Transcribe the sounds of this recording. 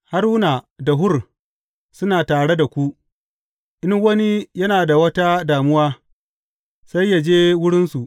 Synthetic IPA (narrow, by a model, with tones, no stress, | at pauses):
ha˦ɾnaː˨da˨ɦʊ˦r | sʊ˦naː˨taː˨ɽe˦da˨kʷu˦ʔ | ʔɪ˦ŋwɐ˦ni˦jɐ˦naː˨da˨wɐ˦ta˦daː˨mʊ˦waː˦ | sa˦jːa˨d͡ʒeː˦wʊ˦ɽɪ˦nsu˨ʔ